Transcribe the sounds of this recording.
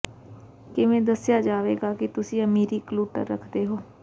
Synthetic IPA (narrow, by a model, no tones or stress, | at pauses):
kɪʋẽːd̪əsjaːd͡ʒaːʋeːɡaːkɪt̪ʊsĩːəmiːɾiːkluːʈə̰ɾɾə̰kʰd̪eːɦoː